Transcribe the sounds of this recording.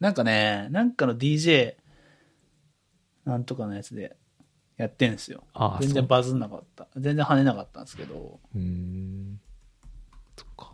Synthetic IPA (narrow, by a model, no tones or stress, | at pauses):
nãŋkane̞nãŋkano̞d̪ʲiːʑe̞ː | nãnt̪o̞kanojat͡sɨd̪e̞̰ | jat̪ːẽ̞sɨjo̞̰a̰zend͡zẽ̞mbazɨnːaka̰t̪ːad͡zẽ̞nd͡zẽhane̞nakat̪ːã̰nsɨ̥ke̞̰d̪o̞̰ | o̥o̥kː